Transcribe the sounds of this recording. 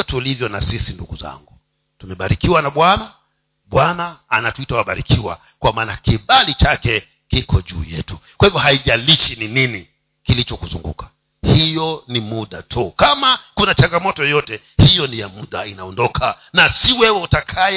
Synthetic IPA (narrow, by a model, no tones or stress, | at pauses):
ɔtulivjɔnasisinduɡuza̰ŋɡuu | tumɛɓaɾikiwanaɓwana | ɓwanaːnatuitawaɓaɾikiwa̰ | kwamaːnakiɓalit͡ʃakɛ | kikʰɔʄṵːjɛ̰tukwahivɔɦaiʄaliʃininini | kilit͡ʃɔkuzṵŋɡṵkʰḁ | hijɔnimuɗa̰tʰukamakunat͡ʃaŋɡamɔtɔjɔjɔtɛ | hijɔnijamuɗainaɔndɔkʰa | nasiwɛwɛutakʰa